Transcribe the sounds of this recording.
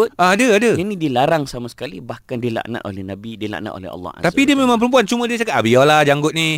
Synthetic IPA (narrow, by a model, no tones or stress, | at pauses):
aadəadəd͡ʒanĩdiəlaɾaŋsamasə̥kalibahkandila̰ʔna̰ʔ̪o̰lɛ̰hnabidiəla̰ʔna̰ʔ̪o̰lɛ̰ɦɑ̰lːɔ̰a̰t̪apidiəmemãŋpəɾəmpuant͡ʃumə̃diət͡ʃakat̪̚abialahd͡ʒaŋɡʊt̪̚ni